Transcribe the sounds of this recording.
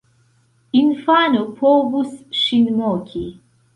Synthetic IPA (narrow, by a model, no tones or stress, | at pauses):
infaːnupʰoːbusʃinmoːkʰi